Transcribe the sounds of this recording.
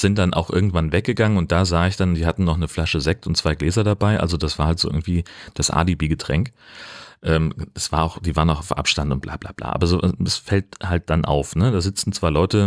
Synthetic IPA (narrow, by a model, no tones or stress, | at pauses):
z̥ɪnt̚d̥anʔa̰ʊxʔɪɐɡŋ̩tv̥anvɛk̚ɡ̥əɡaŋənʊnt̚d̥aːzaːɪçd̥andiːhatn̩nːɔχnəflaʃəzɛk̚tʊntt͡sv̥aɪɡlɛːzɐdabaɪʔa̰lzodasv̥aːɐhaltz̥o̰ːʔɪ̰ɐɡŋ̩tv̥iːd̥asʔa̰ːlibiːɡətʁ̥ɛŋk | ʔɛːmasv̥aːɐaʊxd̥iːvaːʁənaʊxaʊfʔa̰pʃtantʊnt̚blʔa̰ːb̥la̰ːb̥la̰ːʔa̰ːbɐzoːɛsfɛlthalt̚d̥anʔa̰ʊfnədaːzɪt͡sn̩t͡sv̥aɪlɔʏtə